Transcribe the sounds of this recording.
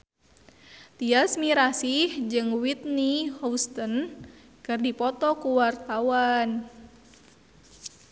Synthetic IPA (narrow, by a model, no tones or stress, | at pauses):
t̪iasmiɾasihd͡ʒɨŋwit̪̚nihɔst̪ən | kɨrdipɔt̪ɔkuwart̪awan